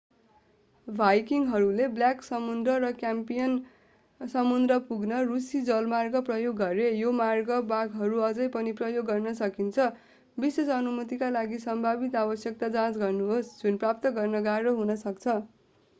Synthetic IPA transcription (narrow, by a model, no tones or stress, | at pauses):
bʱajkiŋɦʌɾulebljaksʌmund̪rʌɾʌkjampijʌn | sʌmund̪rʌpuɡnʌrusid͡zʌlmarɡʌprʌjoɡːʌɾejomarɡʌbaɡɦʌɾuʌd͡zʌjpʌniprʌjoɡːʌrnʌsʌkint͡sʰʌ | bisʌsʌnumut̪ikalaɡisʌmbʱabit̪abʌsjʌk̚t̪ad͡zãt͡sɡʌrnuɦosd͡zunprap̚t̪ʌɡʌrnʌɡarʌɦunʌsʌkt͡sʰʌ